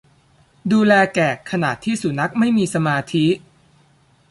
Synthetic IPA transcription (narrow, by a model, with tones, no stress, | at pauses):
duː˧lɛː˧kɛː˨˩kʰːa˧na̰ː˨˩t̪ʰːiː˥˩su˨˩na˦˥k̚ma˥˩jmiː˧sa˧maː˧t̪ʰi˦˥ʔ